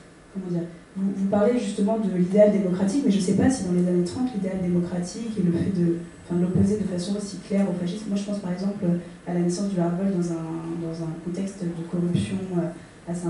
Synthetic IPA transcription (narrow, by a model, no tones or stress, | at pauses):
kɔmɑ̃d̪iːʁ | vuvupaʁleʒyst̪əmɑ̃d̪əlid̪eald̪emɔkχat̪ikmɛʒəsɛpasid̪ɑ̃lezanet̪χɑ̃t̪lid̪eald̪emɔkχat̪ʰikeləfɛd̪əɑ̃fɛ̃d̪əlɔpozed̪əfasɔ̃osi̥klɛʁofaʃismmwaʒəpɑ̃spaʁɛɡzɑ̃pløalanɛsɑ̃sd̪əlaʁvɔld̪ɑ̃zɛ̃d̪ɑ̃zɛ̃kɔ̃t̪ɛkst̪d̪əkɔʁypsjɔ̃ø | asɛ̃